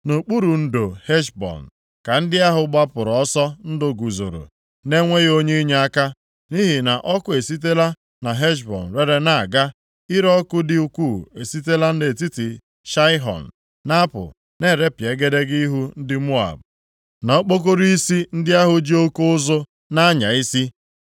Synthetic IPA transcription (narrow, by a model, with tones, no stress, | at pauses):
no˨k͡pu˦ɾu˨n̩˦do˨he˦ʃbɔ̰˨n̩˨ | ka˨n̩˦dɪ˦a˦ɦʊ˨ɡ͡ba˦pʊ˨ɾɔ˦sɔ˦n̩˦do˨ɡu˨zo̰˨ɾo̰˨ | ne˦ŋʷe˦ɣo˦ɲe˦i˦ɲe˨a˦ka˦ | ni˦ɦi˨na˨ʔɔ˦kʊ˦e˨si˦t̬e˦la˦ | na˨ɦe˦ʃ̬bɔ̰˨n̩˨ɾe˦ɾe˦na˨ɡa˦ | ɪ˦ɾɔ˦kʊ˦dɪ˦u˦kʷu˦˨e˨si˦te˦la˦n̩˦de˨ti˦ti˨ | ʃa˦ɪ˦ɦɔ̰˨n̩ː˨ | a˦pʊ̰˨ | ne˦˨ɾe˦pje˨˦ɡe˦de˦ɡi˦ɦu˦n̩˦dɪ˦mu˦a̰˨b̚ | nɔ˨˦k͡po˦k̬o˦ɾi˦si˦n̩˦dɪ˦a˦ɦʊ˨d͡ʒi˦o˦ku˦ʊ˦zʊ˦ | na˦ɲa̰˨i˦si˦